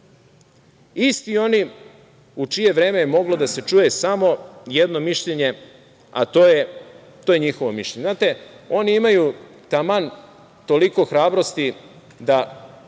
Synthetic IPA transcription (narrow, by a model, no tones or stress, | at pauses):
ist̪io̞ni | ut͡ʃije̞ʋɾe̞ːmejemo̞ɡlod̪ase̞t͡ʃuːje̞samo̞je̞d̪no̞miʃʎeɲe̞ | a̰t̪oje | t̪oje̞ɲixo̞ʋomiʃʎeɲeznaːt̪e̞o̞niimaju | t̪aman | t̪o̞liko̞xɾaːbɾo̞st̪i | d̪a